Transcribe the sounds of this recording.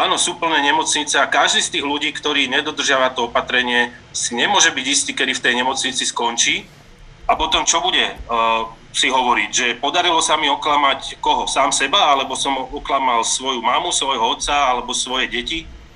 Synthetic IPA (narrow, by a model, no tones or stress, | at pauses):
aːnɔsuːpl̩nɛːɲɛmɔt͡sɲit͡sɛakaʒd̪iːst̪iːɣluɟiːkt̪ɔɾiːɲɛd̪ɔd̪r̩ʒɪaʋat̪ɔɔpat̪ɾɛɲɪɛ | siɲɛmʊɔʒɛbiɟist̪iːkɛd̪ift̪ɛjɲɛmɔt͡sɲit͡siskɔnt͡ʃiː | apɔt̪ɔmt͡ʃɔbuɟɛ | siɦɔʋɔɾicʒɛpɔd̪aɾilɔsamiɔklamackɔɦɔsaːmsɛbaalɛbɔsɔmɔklamalsʋɔjumamusʋɔjɦɔɔt̪t͡saalɛbɔsʋɔjɛɟɛci